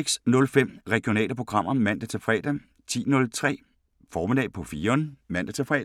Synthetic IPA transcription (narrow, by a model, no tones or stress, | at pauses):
ɡ̥snɔ̽lfem̰ʁɛɡ̥ijonɛ̰ːləpʰʁo̝ɡ̥ʁɑ̈m̰ɐmæn̰d̥æt͡sʰe̝lfʁɛ̰ːd̥æ | t͡sʰḭːnɔ̽lt͡sʰʁɛ̰ː | fɒːme̝d̥ɛ̰ːpʰɒ̽fiːɐnəmæn̰d̥ɐt͡sʰe̝lfʁɛ̰̥ː